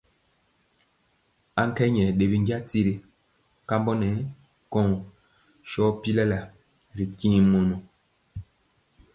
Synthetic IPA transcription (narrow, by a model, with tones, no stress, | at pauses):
a˦ŋ˦kɛ˦ɲɛ˨ɗe˨bi˦ŋɡja˦ti˦ɾi˨˦ | ka˦mbɔ˦nɛ˨˦ | kɔ̃˦˨ŋ | ʃɔ˦pi˦lɛ˦la˨ | ɾi˨kĩ˦mo˨nɔ˨